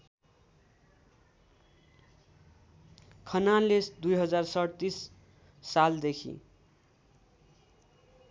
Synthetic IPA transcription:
kʰʌnalːesd̪ujɦʌd͡zarsʌɽt̪isː | ald̪ekʰḭ

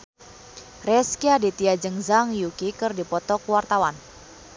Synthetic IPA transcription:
rɛskiadit̪iad͡ʒəŋzaŋjukikɨrdipɔt̪ɔkuwart̪awan

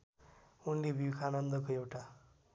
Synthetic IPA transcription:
unlebʱikʰanʌnd̪ʌkoewʈa

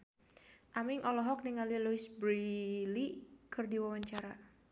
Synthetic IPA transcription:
ʔamiŋʔɔlɔɦɔk̚niŋaliluisbɾilikʰɨrdiwawaɲt͡ʃaɾa

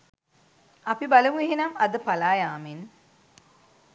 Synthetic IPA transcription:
ɐpibɐlɐmuiɦinɐmɐd̪əpalaːjaːmin

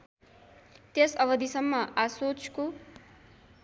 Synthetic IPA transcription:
t̪esʌbʌd̪isʌmːʌʔasot͡sko

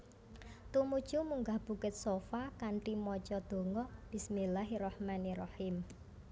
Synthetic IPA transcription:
t̪umud̥ʒ̥ṳmuŋɡahb̥ṳkɪt̪̚sofakaɳʈimɔt͡ʃɔd̪̥o̤ŋɔb̥ɪsmilaɦirɑhmanirɑhim

